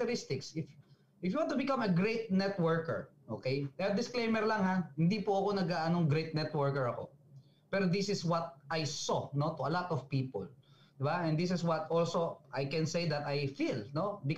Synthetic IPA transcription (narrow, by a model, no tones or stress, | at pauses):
t̪ɛɾɪst̪ɪksɪf | ʔɪfjʊwãnt̪ʊbɪkɐmɐɡɹejt̪̚nɛt̪wɛɹkɛ̰ɹʔoːkejɛd̪ɪsklejmɛɹlɐŋɦahɪnd̪ipʊɐko̞nɐɡaʔɐnoŋɡɾejt̪̚nɛt̪wɛɹkɛɹɐko̞̰ | pɛɾod̪ɪsɪswɐt̪̚ʔajsonot̪ʊɐlat̪ɔv̥piːpo̰l | d̪ɪbaʔɛ̃nd̪ɪs̬ɪswɐt̪olsoʔajkɛ̃nsejd̪ɐt̪ajfilnobɪk